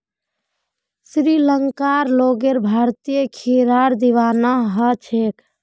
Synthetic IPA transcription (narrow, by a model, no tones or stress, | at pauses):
sɾiləŋkaɾloɡeɾbʱaɾt̪ijəkʰiɾaɾd̪iʋanaɦət͡ʃʰek